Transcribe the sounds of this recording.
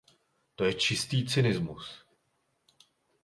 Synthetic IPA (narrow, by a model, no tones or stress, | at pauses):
t̪o̞jɛt͡ʃɪst̪iːt͡sɪnɪzmus